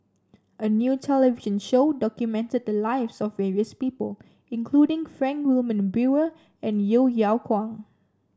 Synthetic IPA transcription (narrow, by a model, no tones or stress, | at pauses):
ʔənjutʰɛləviʒə̃nʃoʊdɔkjumɛ̃ntəd̚dəlaɪvsɔfːɛɹiəspiːpəl | ɪ̃nkʰl̥udɪ̃ŋfɹɛ̃nkwɪlmə̃nbuə | ɛ̃njiljalkʰwɔ̃ŋ